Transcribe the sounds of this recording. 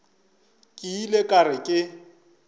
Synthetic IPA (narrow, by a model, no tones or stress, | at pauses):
kʼɪilekʼarɪkʼɪ